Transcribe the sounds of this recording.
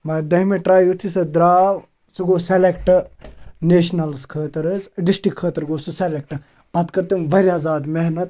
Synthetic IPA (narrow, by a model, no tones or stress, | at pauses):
mɐd̪ɐɦimeʈɾaːjut̪ʰisɐd̪ɾaːʋ | suɡoːselekʈɨneːʃnɐlskʰəːt̪ɐɾɨzɖisʈikʰːəːt̪ɐɾɡoːsuselek̚ʈɨ | bɐt̪kɐɾt̪ɨmʋɐɾiaːzaːd̪meɦnɐt̪̚